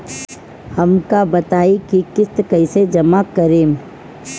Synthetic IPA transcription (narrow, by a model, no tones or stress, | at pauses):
hɐmkabɐt̪aːikikɪst̪kɐɪsed͡ʒɐmakəɾẽːm